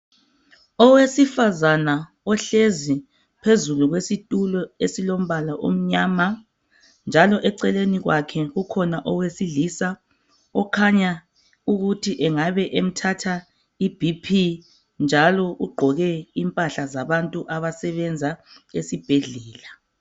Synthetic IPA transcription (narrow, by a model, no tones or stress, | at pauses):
ɔwesifazana | ɔɬezi | pʰezuluɣwesitʼulɔesilom̩βalaʔo̰m̩ɲaːma | nd͡ʒʱalɔʔɛǀɛleniɣwakʰɛɣukʰɔnaʔɔwesiɮisa | ɔkʰaɲa | uɣutʰiʔɛŋaβɛʔem̩tʰatʰa | ib̥ʱipʰi | nd͡ʒʱalɔʔuɡ͡ǃʱɔɣɛimpʼaɬazaβantʼuʔaβasɛβɛnd͡zʱaesib̥ʱeɮɛːla